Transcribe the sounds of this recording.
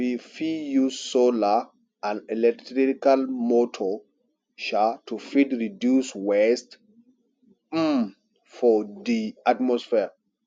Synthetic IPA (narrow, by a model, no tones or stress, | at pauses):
wifijussola | ãnɛlɛktɾiikalmotʰɔ | ʃatufidɾidjuswɛst | m | fɔdiatmɔsfɛɹ